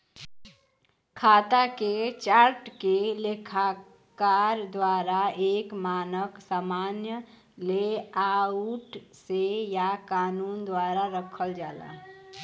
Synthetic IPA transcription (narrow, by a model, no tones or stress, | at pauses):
kʰaːt̪aket͡ʃaːɾʈkelekʰa | kaːɾd̪waːɾaeːkmaːnəksaːmaːnjə | leauʈsejakaːnuːnd̪waːɾaɾəkʰəld͡ʒaːla̰